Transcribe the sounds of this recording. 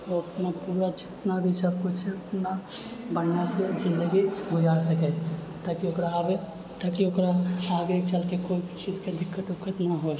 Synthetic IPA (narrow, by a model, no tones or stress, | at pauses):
oɐpnapuːɾad͡ʒɪt̪nabʱisəbkʊt͡ʃʰseɐpnabəɽ̤ijãsed͡ʒɪ̃nd̪əɡiɡʊd͡ʒaːɾsəkɛ | t̪aːkiokɾabe | t̪akiokɾaaːɡet͡ʃəlkekoit͡ʃiːd͡ʒked̪ɪkːət̪ʊkːət̪naɦod͡ʒ